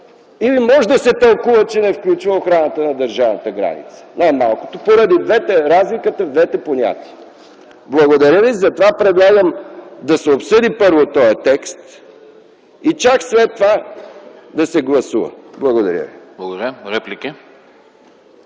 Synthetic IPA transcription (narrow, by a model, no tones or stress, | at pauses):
ivimɔʒɛd̪ɐsɛt̪ɐlˠkuvət͡ʃɛnɛfklʲut͡ʃvəoxɾanət̪ənɐd̪əɾʒavnət̪əɡɾa̰nḭt̪sə̥najmalˠko̥t̪opoɾɐd̪id̪vɛt̪ɛɾazlikət̪əvd̪vɛt̪ɛponʲa̰t̪iə | blˠɐɡod̪ɐɾjəvizɐt̪ovapɾɛd̪lˠaɡəmd̪ɐsɛopsɤd̪ipɤɾvot̪ɔjɛt̪ɛkst̪ | it͡ʃakslɛt̪ːova | d̪ɐsɛɡlˠɐsuvə̰blˠɐɡod̪ɐɾʲə̰viblˠɐɡod̪ɐɾjəɾɛpliki